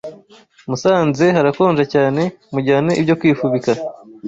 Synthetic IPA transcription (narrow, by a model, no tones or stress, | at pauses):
musaːnze̞ɦaɾako̞ːnʒacaːne̞muɟaːneʔibɟo̞kwiːfuβika